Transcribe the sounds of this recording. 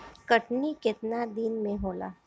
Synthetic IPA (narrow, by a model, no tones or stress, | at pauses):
kɐʈnikɪt̪nad̪inmẽɦoːla̰ː